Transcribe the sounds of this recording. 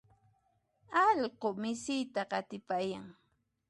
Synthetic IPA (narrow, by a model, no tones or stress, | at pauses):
ɑʎɢomɪsɪjt̪aqɑt̪ɪpajaŋ